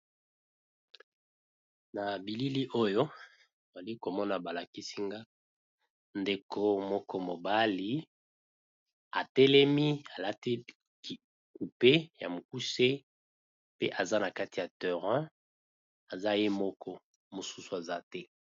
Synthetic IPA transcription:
na˨bi˨li˦li˦ʔo˦jo˦ | o˨za˨li˦ko˨mɔ˦na˨ba˨la˨ki˦si˦ŋɡa˦ | nde˨kʰo˨mɔ˦kɔ˦mo˨ba˦li˦ | a̰˨tɛ˦lɛ˦mi˦a˨la˦ti˦ | k | ku˨pe˦ja̰˨mo˨k̚u˦se˦ | pe˦ʔa˨za˦na˨ka˦ti˨ja˨tø˨ʁɛ̃˦ | a˨za˦je˦mɔ˦kʰɔ˦ | mo˨su˦su˨a˨za˦tɛ˦

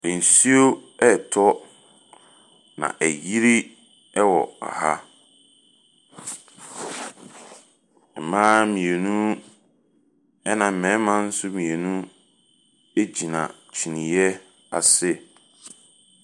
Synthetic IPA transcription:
n̩˨si˦o˦ɛ˦˨tʰɔ˦ | nã̰˨ʔæ˨ji˦ɾi˦ | wɔ̰˨a̰˨ha˦ | ɛ˨mãː˦mĩ˨e˨nũ˦ | ɛ˦nã˨m̩˨mɛ̃˨˦mã˦n̩˦sʊ˦mĩ˨e˨nũ˦ | e˦d͡ʑi˨nã̰˨t͡ɕʰi˨nĩ˨jɛ˦ | a˨sɪ˦˨

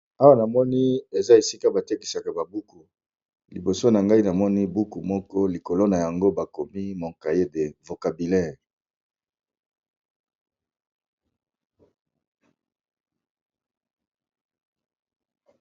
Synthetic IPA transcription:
a˦wa˦na˨mɔ˦ni˦e˨za˦e˨si˦ka˦ba˨te˦ki˨sa˨ka˨ba˨bu˦ku˨ | li˨bo˨so˦na˨ŋɡa˦i˦na˨mɔ˦ni˦bu˦ku˨mɔ˦kɔ˦li˨ko˨lo˦na˨ja˨ŋɡo˦ba˨ko˨mi˦mo˨ka˨je˦de˨vo˨ka˨bi˨lɛ˦˨ʁ

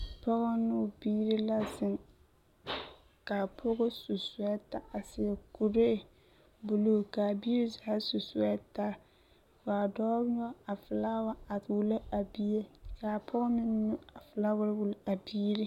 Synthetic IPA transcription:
pɔ˦ɣɔ˦nʊ˦˨biː˦ɾi˦la˦zɪ˨ŋ | ka˨pʰʊ˦ɡʊ˦su˨sʊ˨˦ɛ˦ta˦a˨sɪ˨ɛ˨ku˨ɾe˦˨ | bʊ˨lo˦˨ka˨biː˦ɾi˦za˨˦ha˦su˨sʊ˨ɛ˦ta˦ | fa˨dɔː˦n˦ɔ˦a˨fɪ˨la˦wa˦a˨wu˦la˦a˨bi˦e˦ka˨pʰʊ˦ɡɔ˦mɪ˦n˦nʊ˦a˨fɪ˨la˦wʊ˦ɾwu˨la˨biː˦ɾi˦

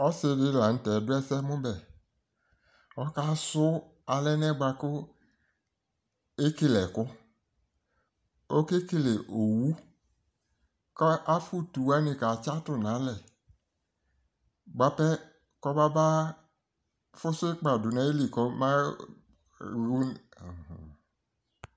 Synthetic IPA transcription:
ɔ˦sɪ˦dɪ˦la˨n̩˨˦tɛ˨dʊ˦ɛ˦sɛ˦mʊ̃˦bɛ˨ | ɔ˦ka˦sʊ˦ | a˨lɛ˦nɛ˦ɡ͡ba˧kʊ˦ | e˦kɪ˦lɛ˨kʊ˦ | o˦ke˦ke˦le˨ʔo˨wu˦ | kɔ˦ʔa˦fu˦tu˨wa˦nɪ˧ka˨t͡ʃa˦tʊ˦nã˨˦lɛ˨ | ɡ͡ba˨pɛ˦ | kɔ˦ba˦ba˦ | fʊ˦sʊ˦k͡pa˨dʊ˨nɛ˦e˦li˨kɔ˦ma˦ | ɣu˦n̩˨

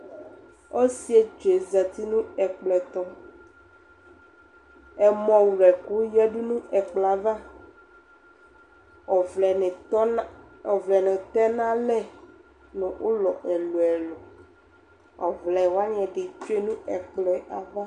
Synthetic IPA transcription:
o˦si˦e˦t͡ʃo˨e˨zɛ˨t̪i˦nũ˦ɛ˨k͡plɛ˨t̪ɔ˨ | ɛ˨mɔ̃˨wu˨ɾɛ˨ku˦jɛ˦ɖu˦nũ˦ɛ˨k͡plɛ˨a˨va˦˨˦ | ɔ˨vlɛ˨nɛ̃˨t̪ɛ˦nã˦lɛ˦ | nõ˨wʔo˦lɔ̰˨ʔɛ˨lo˨ɛ˨lo˨ | ɔ̰˨vlɛ˨wo˦a˦ɲɛ̃˨ɖe˨t͡ʃo˦e˦nũ˦ɛ˨k͡plɛ˨ʔa˨va˦

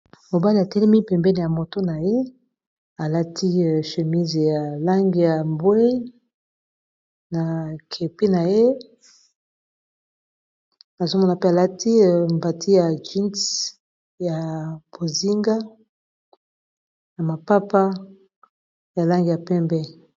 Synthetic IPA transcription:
mo˨ba˦li˨a˨tɛ˦lɛ˦mi˦pɛ˨mbɛ˦ne˨ja˨mo˨to˦na˨je˦ | a˨la˦tʰi˦˨ʃə˨mi˦ze˨ja˨la˦ŋɡi˨ja˨mbwe˦ | na˨kʰe˨pi˦na˨je˦ | a˨zo˦mo˦la˨pe˦a˨la˦tʰi˦˨mba˨tʰi˦ja˨d͡ʒi˦nts | ja˨b̥o˨zi˦ŋɡa˦ | ja˨ma˨pa˦pa˦ | ja˨la˦ŋɡi˨ja˨pɛ˦mbɛ˦

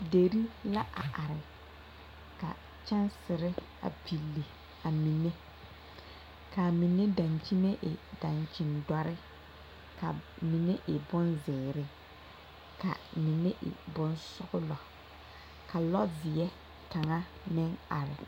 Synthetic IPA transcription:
de˨ɾi˦la˦ʔa̰˨ʔa˨ɾɪ˨ | ka̰˨ | t͡ʃa˦nsɪ˨ɾɪ˦ | a̰˨pʰi˨lːi˨ | a˨mi˨ne˦ | ka˨mi˨ne˦da˨nt͡ʃi˦ne˦ʔɪ˨da˨nt͡ʃɪ˨nda˨ɾɪ˦ | ka˨mi˨ne˦ʔɪ˨bʊ˦nzɪ˨ɾɪ˨ | ka̰˨mi˨ne˦ʔɪ̰˨bʊ˦nsʊ˦ɣʊ˦lɔ˨ | ka˨lɔ˦vɪ˨jɛ˦ | ta˨ŋa˦ | mɪ˦ŋa̰˨ɾɪ˨

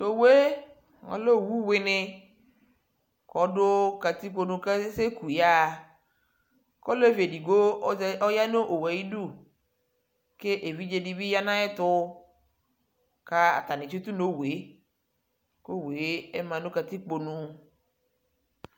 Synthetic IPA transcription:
to˨we˦ | ŋɔ̰˨˦lo˦˨wu˦wɪ˨nɪ˦ | kɔ˨˦dʊ˦ka˨t̪i˦k͡po˨nũ˧ke˦se˦ku˨ja˦˨ | kɔ˦le˦vi˨e˨di˨ɡo˦ɔ˦ja˦no˦ʔo˨wa˨ji˦du˦˨ | ke˦ʔe˨vi˦d͡ʒe˨di˦bi˦ja˦nã˦ɛ˦t̪ʊ˦ | ka˦a̰˨t̪a˨nɪ̃˨t͡ʃe˦t̪u˦no˦we˨˦ | ko˦we˨˦e˦mã˨no˦ka˨t̪i˦k͡po˨nũ˨

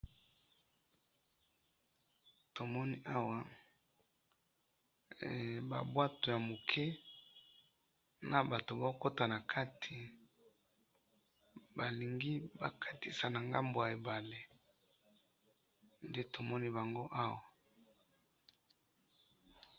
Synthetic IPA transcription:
to˨mɔ˦ni˦ʔa˦wa˨ | ba̰˨bwa˦to˨ja˨mo˨kʰɛ˦ | na˨ba˨to˨ba˦ko˦ta˨na˨kʰa˦tʰi˨ | ba˨li˨ŋɡi˦ba̰˨kʰa˦ti˨sa˨na˨ŋɡa˦mbo˨ja˨e˨ba˨le˦ | nde˦tʰo˨mɔ˦ni˦ba˨ŋɡo˦ʔa˦wa˨

